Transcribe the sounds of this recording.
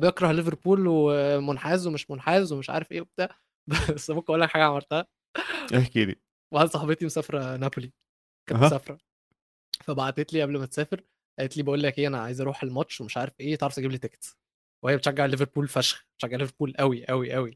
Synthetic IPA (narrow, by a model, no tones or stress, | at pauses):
bjekɾˤɑhleveɾpuːlwemonħæːzwemeʃmonħæːzwemeʃʕa̰ːɾefʔeːʔob̚d̪æ | bæsːæbokːæʔuːlːækħaːɡæʕɑmɑɾˤt̪æhæ | ʔehkid̪ḭ | baʕad̪sˤɑħɑbet̪imosæːfɾˤænæpoli | kænmsæːfɾˤɑ | fæbaʕd̪et̪liːʔæblmæt̪sæːfeɾ | ʔæʔet̪liːbeʔuːlːækʔejːʔænæʕa̰ːjezʔɑɾˤuːħelmɑtt͡ʃːʃːwemeʃʕaːɾefʔeːt̪eʕɾɑft̪eɡiblit̪ekt̪s | weejæbet̪ʃæɡːeʕleveɾpuːlfæʃxbe̥t̪ʃæɡːeʕleveɾpuːlʔæwiʔæwiʔæwi